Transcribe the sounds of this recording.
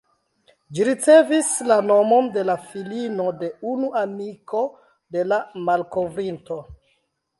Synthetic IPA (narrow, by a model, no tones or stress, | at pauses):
d͡ʒiɾit͡se̞vislano̞mo̞nde̞lafilino̞de̞unuʔamiko̞ | de̞lamalko̞vɾinto̞